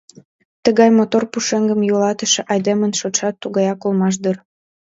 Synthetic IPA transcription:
t̪əɣɑjmot̪orpuʃeŋɡəmjolɑt̪əʃĕʔɑjd̪emənʃot̪ʃɑt̪ːuɣɑjɑkolmɑʃ̬d̪ər

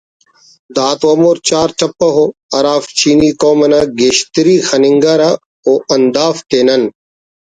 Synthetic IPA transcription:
d̪aːt̪ɐmoːɾt͡ɕaːɾt͡ʃɐpːɐɦoːɐɾaːft͡ɕiːniːkoːmɐnaːɡeʃt̪ɪɾiːxɐnɪŋɡaɾa | oːʔɐnd̪aːft̪eːnɐn

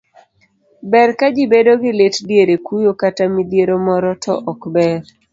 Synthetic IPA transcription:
bɛrkad͡ʒibedoɡɪletdjeɾekujokatamid̪jeɾomɔɾɔtʰɔ̰ʔɔkbɛɾ

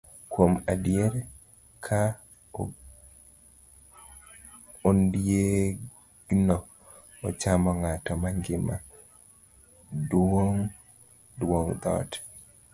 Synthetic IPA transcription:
kwomadijeɾ | kʰa | ondje | ɡnɔ | ɔt͡ʃamɔŋatɔmaŋɡɪma | dwoŋ | dwoŋd̪ɔ̰tɛ̥

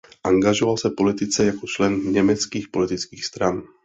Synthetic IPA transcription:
ʔaŋɡaʒɔʋalsapɔlit̪it͡sɛjakɔt͡ʃlɛnɲɛmɛt͡skiːxpɔlit̪it͡skiːxst̪ɾan

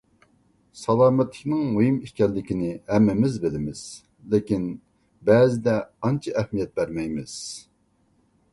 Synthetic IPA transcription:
sɑlˠɑːmɛt̪ʰːɪ̥kʲnɪŋmujimiʃkʲɛlːɪkʲinɪhɛmːɪmɪzbɪlɪmɪz̥ | lɪkʲin | bɛːzɪd̪ɛɑnt͡ʃʰɑʔɛhmijɛt̪̚bæɾmɛjmɪz̥

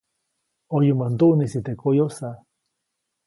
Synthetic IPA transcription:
ojumant̪uʔnisit̪ekʰojosa

